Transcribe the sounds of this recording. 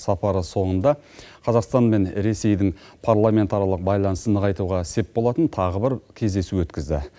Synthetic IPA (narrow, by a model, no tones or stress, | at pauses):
sɑpɑɾəso̞ɴənd̪ɑ | qʰɑzɑqst̪ɑnme̞nɾe̞se̞jd̪ɪŋ | pʰaɾlˠamʲe̞nt̪ɑɾɑlˠəq̚bɑjlˠɑnəsənəʁɑjt̪uʁɑse̞p̚bo̞lˠɑt̪ənt̪ʰɑʁəbɪɾkʲʰe̞zd̪e̞suwɵt̪kʲɪzd̪ɪ̰